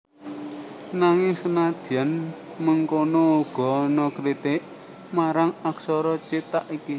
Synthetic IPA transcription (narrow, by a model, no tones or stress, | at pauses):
naŋɪŋsənad̪̥̤jan | məŋkonɔuɡ̥ɔ̤nɔkɾit̪ɪʔ | maɾaŋaksɔɾɔt͡ʃit̪aʔiki